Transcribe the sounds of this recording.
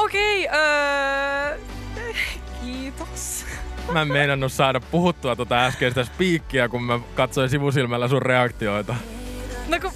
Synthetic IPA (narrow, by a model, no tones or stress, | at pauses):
okeiøː | kiːt̪o̥smæemmeinɑnːussɑːɾɑppuhut̪ːuɑt̪ot̪ɑæskest̪æspiːkːiækummækɑt̪soĩnsiʋusilmælːæsurreɑkt̪ioit̪ɑ | noku